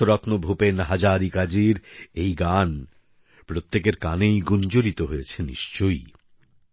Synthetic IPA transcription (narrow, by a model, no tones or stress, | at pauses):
oɾɔt̪nobʱupenɦad͡ʑaɾikad͡ʑiɾejɡan | pɾot̪ːekeɾkanejɡund͡ʑoɾit̪oɦojet͡ɕʰenḭʃt͡ɕoj